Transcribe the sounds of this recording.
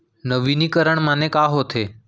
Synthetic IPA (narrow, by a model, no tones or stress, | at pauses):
nəʋinikəɾəɳmanekaɦot̪ʰe